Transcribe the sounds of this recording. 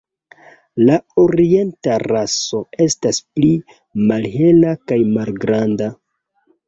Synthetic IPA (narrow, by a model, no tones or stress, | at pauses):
lao̞ɾie̞ntaraso̞e̞staspli | malɦe̞lakajmalɡɾanda